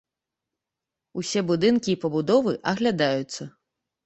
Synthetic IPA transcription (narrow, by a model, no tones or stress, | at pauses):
usʲɛbud̪ɨnkʲiːpɐbud̪ɔvɨʔɐɣlʲad̪ajut̪sːɐ